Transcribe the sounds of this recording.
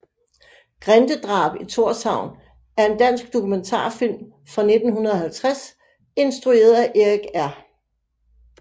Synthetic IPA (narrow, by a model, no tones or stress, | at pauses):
ɡ̥ʁand̥əd̥ʁɑ̈ːb̥it͡sʰo̝ɐsɑ̈ʊ̰n | æɐe̝nd̥æn̰sɡ̥d̥o̝kʰument͡sʰɑ̰̈ːfil̰m | fʁɑ̈ne̝d̥n̩ɦunɐð̞̩ˠɒ̽ɦælt͡sʰʁas | e̝nsd̥ʁue̝̰ːɐðˠæʔeɡ̥æɐ̰